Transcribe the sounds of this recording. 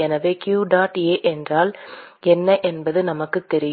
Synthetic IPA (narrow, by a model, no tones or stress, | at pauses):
ɛnɐʋeːkjuːɖaːʈeːʔɛndraːlɛnːɐʔɛnbɐðɯnɐmɐkːɯt̪ːɛɾɪj